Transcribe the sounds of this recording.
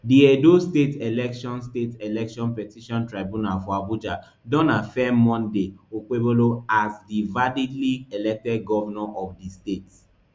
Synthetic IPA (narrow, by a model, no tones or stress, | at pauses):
diɛdostetelɛkʃɔ̃nstetelɛkʃɔ̃npɛtiʃɔ̃ntɹabũnalfɔabud͡ʒa | dɔ̃nafɛmːɔ̃ndeok͡peboloazdivalidlielɛk̚tɛd̚ɡɔvanɔʔɔfdistets